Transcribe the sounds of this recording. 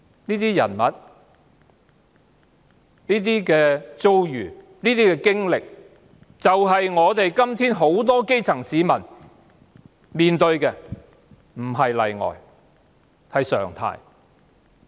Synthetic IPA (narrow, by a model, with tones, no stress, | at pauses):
niː˥t̪iː˥jɐ̰˨˩nmɐ˨t̚ | niː˥t̪̬iː˥kɛː˧t͡so˥wjyː˨˩ | niː˥t̪iː˥kɛː˧kɪ˥ŋlɪ˨k̚ | t͡sɐ˨wɦɐ˨jŋɔː˨˧t̪e˨jkɐ˥mt̪ʰiː˥nɦo˨˥wt̪̬ɔː˥ke˥jt͡sʰɐ˨˩ŋsiː˨˥mɐ˨˩n | miː˨nt̪ɵ˧ɥkɛː˧ | m̩˨˩ɦɐ˨jlɐ̰˨jŋɔ̰ː˨j | hɐ˨jsœ̰ː˨˩ŋt̪ʰa̰ː˧j